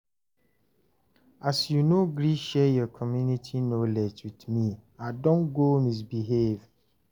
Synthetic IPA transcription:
asjunoɡɾiʃɛjɔkʰɔmjunitʰinoled͡ʒwidmiadɔ̃nɡomis̬biɦev

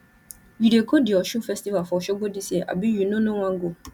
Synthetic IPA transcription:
jiɾekʰodɪɔʃũfɛstivafɔʃɔɡodiseʔa̰bijunʊ̃nʊ̃wãŋɡo

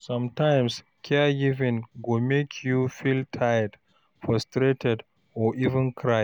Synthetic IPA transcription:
sʌ̃mtãɪ̃ms | kʰɛɡivɪ̃nɡomekʰjufiltʰajəd | fɹɔstɾetɛd | ɔʔivɛ̃nkʰɾa

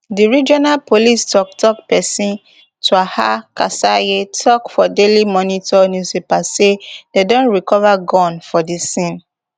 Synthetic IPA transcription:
diɹid͡ʒɔnalpolistɔk̚tʰɔk̚pɛsĩn | tʰuaha̰kasajetʰɔkfɔdelimɔnitɔnjusipasededõnɹikɔvaɡɔ̃nfɔdisĩn

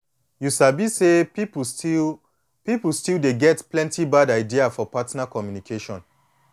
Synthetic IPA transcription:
jusabisepip | pipul̩stildeɡɛtplɛ̃ntʰibadaɪdiafɔpatnakɔmjunikʰeʃɔ̃n

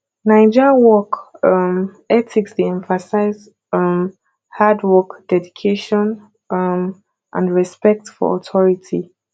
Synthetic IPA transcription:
naɪd͡ʒəwɔkʌm | ɛtʰiksdiɛ̃ɱfasaɪz | m | hadwɔkd̥ɛdikʰeʃɔ̃n | m | ʔã̰nɹɛspɛk̚tfɔ̰ɔ̰tʰɔɹitʰi

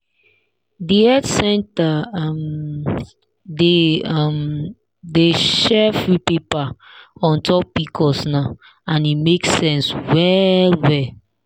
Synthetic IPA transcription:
diɛdsɛ̃ntam | deam | deʃɛfɹipepa | ɔ̃ntʰɔpːikʰɔsna | ãnimekssɛ̃nswɛlwɛ

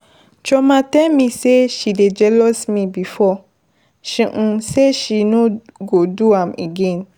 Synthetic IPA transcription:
t͡ʃɔmãtɛ̃mĩseʃided͡ʒɛlɔsmibifɔ | ʃĩʔ̩seʃinoɡoduãmeɡɛ̃n

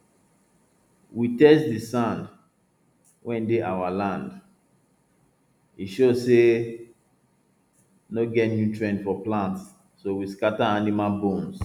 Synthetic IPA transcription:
witɛsdisãnd | wʔɛ̃ndeʔawalãnd | iʃozse | noɡɛtnjutɹɛ̃ndfɔplãntsː | owiskataanimalbõms

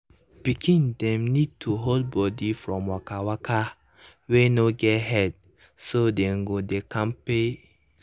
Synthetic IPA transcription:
b̥ikʰĩndɛ̃mnid̚tʰuɦold̚bɔdifɹɔ̃mwakawakʰa | wenoɡɛtɦɛd̚ | sodɛ̃ŋɡodekãmpe

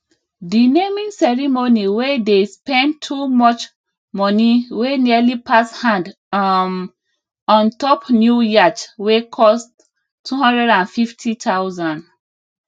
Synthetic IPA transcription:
dinemĩŋsɛɹimoniwedespɛ̃ntʰːumɔt͡ʃ | mɔniwenialipʰashãnd | ɔ̃ntɔpnjujat͡ʃwekʰɔs | tʰːuɦɔ̃ndɹɛdãnfiftʰitʰawzãnd

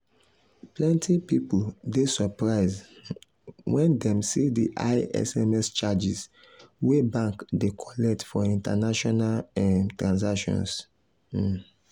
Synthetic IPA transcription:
plɛ̃ntʰipipuldesɔpɹaɪz | wɛ̃ndɛ̃msidiʔa̰ɪɛ̰sɛmɛst͡ʃad͡ʒis | webãŋkdekʰɔlɛk̚tfɔĩntanaʃɔnalɛ̃tɹãnsakʃɔ̰̃ns

